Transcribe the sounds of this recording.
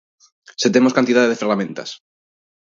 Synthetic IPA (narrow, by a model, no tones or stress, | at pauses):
set̪emoskant̪iðaðeðefeɾlamẽ̞nt̪a̰s